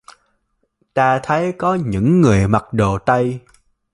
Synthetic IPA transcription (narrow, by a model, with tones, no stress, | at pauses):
t̪aː˧t̪ʰə˨˦jkɔ˨˦ɲɨ̰˧˥ŋːɨ˨˩əjma˨˩t̚ɗo˨˩t̪ə˧j